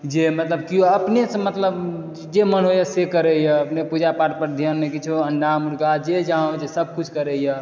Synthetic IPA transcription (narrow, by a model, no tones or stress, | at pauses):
d͡ʒemət̪ləb̚kioəpnesmət̪ləb | d͡ʒemənɦojasekəɾɛjəəpnepud͡ʒapaʈpəɾd̪ʱjənmekit͡ʃʰoəɳɖamuɾɡad͡ʒed͡ʒaõd͡ʒesəb̚ʱkut͡ʃʰkəɾɛjə